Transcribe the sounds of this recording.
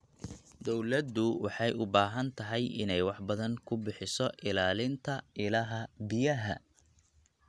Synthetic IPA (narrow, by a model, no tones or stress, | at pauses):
d̪ɔwlɐd̪ʊwɑħɑjʊbaːɦɐnt̪ʰɐɦɛjɪ̰nɛjwɑħbɐðɐŋkʰʊbɪħɪsɔʔɪlaːlɪnt̪ʰɐʔɪlɐɦɐbɪjɐɦɐ